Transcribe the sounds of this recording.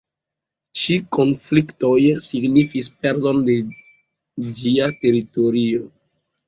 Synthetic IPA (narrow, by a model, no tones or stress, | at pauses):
t͡ʃiko̞nflikto̞jsiɡnifispeɾzo̞nde̞ | d͡ʒiate̞ɾito̞ɾio